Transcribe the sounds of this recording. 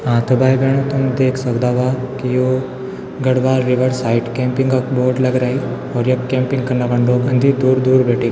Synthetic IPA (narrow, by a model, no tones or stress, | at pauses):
ãt̪ʰəbajbeɳ̃ət̪uməd̪ʱːeːksəwd̪aʋakiju | ɡəɽʋaɾːiʋəɾsaiʈkɛ̃mpiŋɡəkboɾɖləɡɾai | ɔɾjəkːɛ̃mpĩŋɡkəɾnabaɳɖokənd̪ʱid̪uːɾd̪uːɾbeʈik